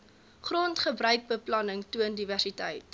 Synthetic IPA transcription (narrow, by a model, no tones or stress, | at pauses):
χrontχəbrœɥk̚bəplɐnəŋtuəndiværsitəjt